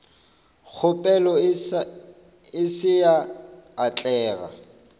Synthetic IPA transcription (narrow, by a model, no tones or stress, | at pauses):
k͡xʰʊpʼɛlɔ | ɪsɪjaat͡ɬʼɛːɣa̰